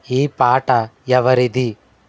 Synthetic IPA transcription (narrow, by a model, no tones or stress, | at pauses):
iːpaːʈɐjɐʋɐɾid̪i